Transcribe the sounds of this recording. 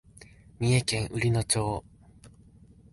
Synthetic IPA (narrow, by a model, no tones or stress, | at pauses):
mʲie̞kẽ̞ɰ̃ʔɯ̟ɾʲino̞t͡ɕoː